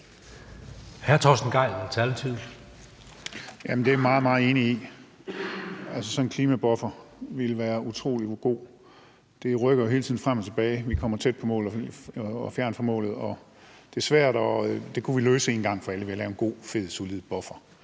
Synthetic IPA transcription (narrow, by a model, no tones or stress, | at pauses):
hæɐt͡sʰɒsdn̩ɡ̥ɑ̈ɪ̰lmt͡sʰælt͡sʰið̰ˠl̩ | jæmend̥e̝æʋimɑ̈ːð̩ˠmɑ̈ːð̩ˠe̝ːnii | ælsəsɒ̽nkʰliːmæb̥ɒ̽fɐʋilʋæːɐut͡sʰʁo̝̰ːliɡ̥o̝̰ː | d̥e̝ʁœɡ̥ɐjo̝ɦelt͡sʰiðˠn̩fʁam̰ɒ̽t͡sʰe̝b̥ɛːɪʋikʰɒ̽m̰ɐt͡sʰed̥̚pʰɒ̽mɔ̰ːl̩ˠɒfjæɐnfɒ̽mɔ̰̽ːlð̩ˠɒ̽ | d̥e̝æɐsʋæɐ̰d̥ɒd̥e̝kʰuʋiløːsəe̝ːnɡ̥ɑ̈ŋ̰fɒ̽æləʋe̝ɐlɛːʊenɡ̥o̝̰ːfe̝ð̰ˠsulið̩ˠb̥ɒ̽fɐ